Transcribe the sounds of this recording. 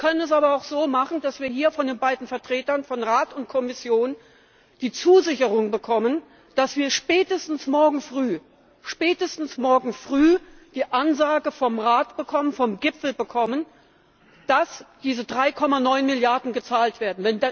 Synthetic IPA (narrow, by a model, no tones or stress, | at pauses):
kʰœnənɛs̬aːbɐaʊxz̥oːmaχn̩d̥asv̥iːɐhiːɐfɔndeːnbaɪdn̩fɛɐtʁ̥eːtɐnfɔnʁaːtʊnt̚kʰɔmɪsjoːn | d̥iːt͡suːzɪçəʁʊŋbəkʰɔmən | d̥asv̥iːɐʃpɛːtəstn̩smɔɐɡŋ̩fʁ̥yː | ʃpɛːtəstn̩smɔɐɡŋ̩fʁ̥yːd̥iːʔanzaːɡəfɔmʁaːtb̥əkʰɔmənfɔmɡɪpfl̩bəkʰɔmən | d̥asd̥iːzədʁaɪkʰɔmanɔʏnmɪljaɐdn̩ɡət͡saːltv̥eːɐdn̩vɛn